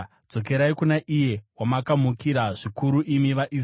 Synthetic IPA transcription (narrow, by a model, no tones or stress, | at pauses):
d͡zo̞k̬e̞ɾaikunaʔije̞wamakamukiɾaʐikuɾuʔimiʋaʔis